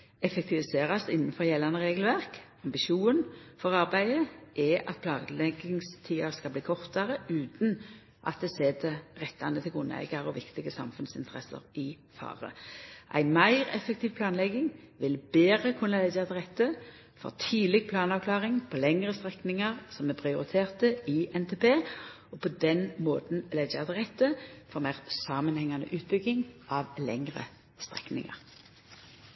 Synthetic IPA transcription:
ɛfɛkt̪ʰɪʋɪseːʁɑst̪ɪnːn̩fɔʁjɛlːɑnəʁeːɡəl̩ʋæʁk | ɑmbɪʃuːnfɔʁɑʁbæɪəʔɛʔɑ̰t̪̚pʰlɑːɡlɛɡɪŋst̪ʰiːɑʁskɑlbliːkʰɔʁt̪ɑʁəʉːt̪n̩ | ʔɑ̰t̪̚d̪ɛːseːd̪ɛʁɛt̪ːɑnət̪ʰɪlɡʉnæ̰ɪɡɑʁɔʋɪkt̪ɪɡəsɑ̰mfʉnsɪnt̪əʁɛsə̰ʁɪ | fɑ̰ːʁə̰ʔæ̰ɪnmæɪʁɛ̰fək̚t̪ʰiːʋpʰlɑːnlɛɡɪŋ | ʋɪlbeːʁəkʰʉnɑlɛɡət̪əʁɛt̪ːə | fɔ̰ʁt̪ʰiːlɪɡ̚pʰlɑːnɑʋkʰlɑːʁɪŋpʰolɛŋʁəst̪ʁɛknɪŋɑʁsɔmɛpʰʁɪʊʁɪt̪ʰeːʁt̪əɪʔɛnt̪ʰeːpʰeː | ɔpʰod̪ɛnmoːt̪n̩lɛɡɛt̪əʁɛt̪ːəfɔʁmæɪʁsɑːmənhɛŋːɑnə̰ʔʉːt̪̚bʏɡɪŋʔɑʋlɛŋʁə̰ | st̪ʁɛknɪ̰ŋɑ̰ʁ

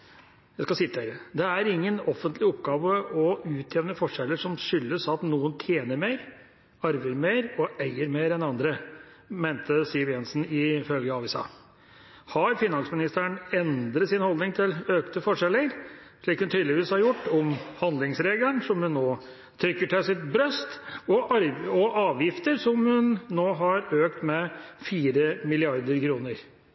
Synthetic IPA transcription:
jæɪskɑsɪt̪ːəɾəd̪ɛæɾɪŋːənɔfənt̪lɪɔpːɡɑːʋəʔɔʉːt̪ʰjɛʋnəfɔʂɛlːəʂɔmʂʏlːəsɑt̪nuːənt̪ʰjeːnəɾmeːɾ | ɑɾʋəɾmeːɾɔʔæɪəɾmeːɾɛnɑnd̪ɾə | meɪnt̪əsɪʋjɛnsn̩ɪfœlɡəɑʋɪsɑ̰ː | hɑɾfɪnːɑnsmɪnɪst̪əæɳɛnd̪ɾət̪sɪnhɔld̪nɪŋt̪ʰɪløːkt̪əfɔʂɛləɾ | ʂɭiːkhʉnt̪ʰyːd̪lɪʋiːshɑɾjʊʈːɔmhɑnd̪lɪŋsɾeːɡlənʂɔmhʉnːoː | t̪ʰɾʏkːəʈʰɛsɪt̪̚bɾœst̪ɔɾɔʔɑːʋjɪft̪əɾsɔmhʉnːoːɦɑɾøːkt̪mɛfiːɾəmɪlɪɑɾd̪əɾkʰɾuːnəɾ

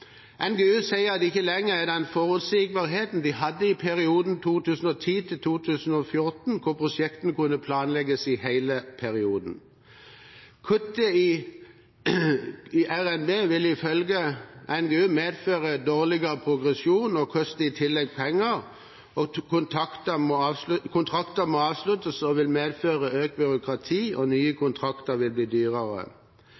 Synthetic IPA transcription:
ʔɛnɡeːʉːsæɪəɑd̪ɪçːəlɛŋːəʁæd̪ɛnfoːʁʉt̪siːɡ̚bɑʁɦeːt̪n̩d̪ɪɦɑd̪ːəɪpʰæʁɪuːd̪n̩t̪ʰuːt̪ʰʉːsn̩ɔːt̪ʰiːt̪ʰɪlt̪ʰuːt̪ʰʉːsn̩ɔfjʊʁt̪n̩kʰʊʁpʰʁʊʃɛkt̪n̩əkʰʉnːəpʰlɑːnlɛɡəsɪhæɪləpʰæʁɪuːd̪n̩ | kʰʉt̪ːəi | iʔæʁɛnbeːʋɪlɪfœlɡəʔɛnɡeːʉːmeːd̪føːʁəd̪oːʁlɪɡəʁəpʰʁʊɡʁɛsjuːnɔkʰɔst̪əɪt̪ʰɪlːɛɡ̚pʰɛŋːəʁ | ɔkʰʊnt̪ʰɑkt̪əmɔːɑkʰʊnt̪ʰʁɑkt̪əmoːɑːʋslʉt̪əsɔʋɪlmeːd̪føːʁəøːk̚bʏʁʊkʰʁɑt̪ʰiːʔɔnyːəkʰʊnt̪ʰʁɑkt̪əʁʋɪlbliːd̪yːʁəʁə̰

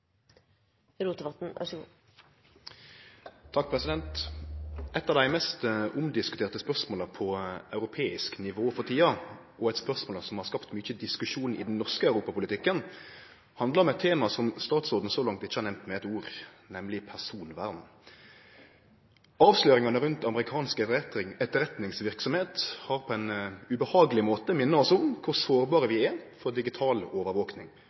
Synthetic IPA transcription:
ɾuːt̪əʋɑt̪n̩ɑ̰ | t̪ʰɑk̚ːpʰɾɛsɪd̪ɛnt̪ | ʔɛt̪ːɑʋd̪æɪmɛst̪ʔʊmd̪ɪskʉt̪ʰeːʁt̪əspœʁsmoːlɑpʰɔœʉɾʊpʰeːɪsknɪʋoːfɔt̪ʰiːɑ | ʔɔɛt̪spœʁsmoːləsɔmhɑʁskɑpt̪myːçəd̪ɪskʉʂuːnɪ̰d̪n̩nɔʁskəɑʉɾuːpɑpʰʊlɪt̪ʰɪkːən | hɑnd̪ləʁɔmɛt̪ʰeːmɑsɔmst̪ɑːt̪sɔːd̪n̩soːlɑŋt̪ɪçːəhɑɾnɛmt̪mɛɛt̪uːɾ | nɛmlɪpʰæʁsuːnʋæʁd̪n̩ | ɑːʋsløːɾɪŋɑnəɾʉnt̪ɑməɾɪkʰɑːnskəɛɪŋɛt̪ːəɾɛt̪nɪŋsʋɪʁksɔmheːt̪hɑɾpʰɔɛnʉbəhɑːɡəlɪmoːt̪əmɪnːəʁɔsɔmkʰʊɾsoːɾbɑːʁəʋɪɛɾfɔɾd̪ɪɡɪt̪ʰɑːloːʋəɾʋoːknɪŋ

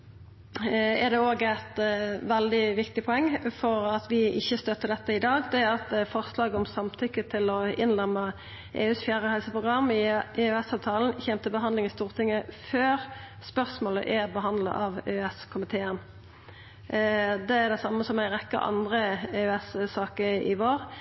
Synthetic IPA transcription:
ɛʁd̪ɛoːɡæɪt̪ʋɛld̪ɪʋɪkt̪ɪpʰɔɛŋːfɔɾɑt̪ʋɪɪçːəst̪œt̪ːəd̪ɛt̪ːəɪd̪ɑːɡd̪ɛæɑt̪fɔʁslɑːɡəɔmsɑmt̪ʰʏkːət̪ʰɪlɔɪnlɛmːə | ʔḛːʉːsfjæːʁəhɛlsəpʰʁʊɡʁɑmɪʔeːʉɛsɑːʋt̪ʰɑːln̩çɛmt̪əbəɦɑnd̪lɪŋɪst̪uːʁt̪ʰɪŋːəføːʁspœʁsmoːlə̰ʔæʁbəɦɑnd̪lə̰ʔɑʋeɛskʰʊmɪt̪ʰeːən | d̪ɛæʁd̪ɛsɑmːəsɔmæɪʁɛkːə̰ɾʔɑ̰nd̪ʁəeːʉɛssɑːkəɾɪ̰ʋoːʁ

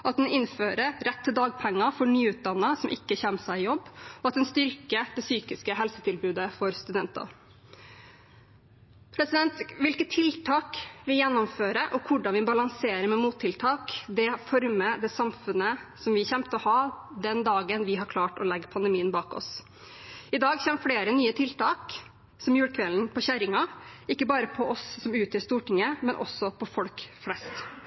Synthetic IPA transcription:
ʔɑt̪̚d̪ɛnɪnføːɾəɾɛt̪ʰːɪld̪ɑːɡ̚pʰɛŋːɑfɔɳyːʉːt̪̚d̪ɑnːɑsɔmʔɪ̰kːəçɛnəsæɪjɔbːɔɑt̪̚d̪ɛnst̪ʏɾkəd̪̥ɛsyːkɪskəɦɛlsət̪ʰɪlbʉːd̪əfɔɾst̪ʉd̪ɛnt̪ɑ̰ | pʰɾɛsɪd̪ɛnt̪ʋɪlkət̪ʰːɪlt̪ʰɑːkʋɪjɛnːɔmføːɾəʔɔkʰʊɖɑnʋɪbɑlɑŋseːɾəmɛmuːt̪ʰːɪlt̪ʰɑːkd̪ɛfɔɾməd̪ɛsɑmfʉnəsɔmʋɪçɛmt̪əɔhɑːd̪ɛnd̪ɑːɡənʋɪɦɑɾkʰlɑːʈɔlɛɡːəpʰɑnd̪əmiːənbɑːkɔ̰s | ɪd̪ɑːɡçɛnfɽeːɾənyːət̪ʰɪlt̪ɑːk | sɔmjʉːɽkʰʋɛln̩pʰɔɕæɾɪŋɑɪkːəbɑːɾəpʰɔʔɔsːɔmʉːt̪ʰɪst̪uːʈɪŋːəmɛnʔɔ̰sːɔpʰɔfɔlkflɛst̪

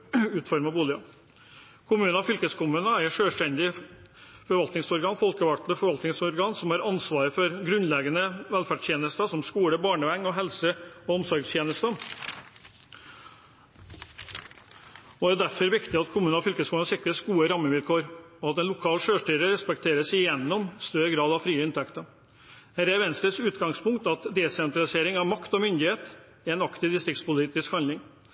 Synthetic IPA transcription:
ʉːt̪fɔɾmɑbuːlɪɑ | kʰʊmʉːnɑfʏlkəskʰʊmʉːnəæɾʂøːʂʈɛnd̪ɪ | fɔɾʋɑlt̪nɪŋsɔɾɡɑːnfɔlkəʋɑkt̪ləfɔɾʋɑlt̪nɪŋsɔɾɡɑːnsɔmhɑːɾɑnsʋɑːɾəfɔɾɡɾʉnlɛɡənəʋɛlfæʂt̪ʰjeːnəst̪əsɔmskuːɽəbɑːɳəʋɛŋːɔɦɛlsəɔɔmsɔɾɡst̪ʰjeːnəst̪ə | ɔæɾd̪æɾfɔɾʋɪkt̪ɪɑt̪kʰʊmʉːnɔfʏlkəsfuːnəsɪkɾəsɡuːəɾɑmːəʋɪlkʰoːɾɔɑt̪ɛnlʊkʰɑːlʃøːʂʈyːɾəɾɛspɛk̚t̪ʰeːɾəsɪjɛnːɔmst̪œɾəɡɾɑːd̪ɑʋfɾiːəɪnt̪ʰɛkt̪ə | hæːɾæɾʋɛnst̪əsʉːt̪ɡɑŋspʊŋkt̪ɑt̪d̪eːsɛnt̪ɾɑlɪseːɾɪŋɑʋmɑkt̪ɔmʏnd̪ɪheːt̪ | ɛɛnɑkt̪ɪd̪ɪst̪ɾɪkt̪spʊliːt̪ɪskhɑnɪŋ

